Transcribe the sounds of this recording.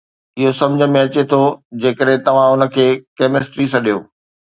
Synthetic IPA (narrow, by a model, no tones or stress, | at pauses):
ɪɦosɐ̃md͡ʑʱə̆mẽɐt͡ɕet̪ʰod͡ʑeːkəɗɦẽt̪ɐʋ̤ãʊnə̆kʰeːkeːmɪsʈɾisɐɗijoː